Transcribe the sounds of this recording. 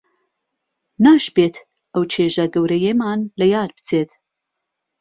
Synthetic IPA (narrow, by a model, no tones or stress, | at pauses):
naːʃbeːt̪ʰ | ʔɐwt͡ʃʰeːʒɐɡɐwɾɐjemaːnlɐjaːɾbɨ̥t͡sʰeːt̪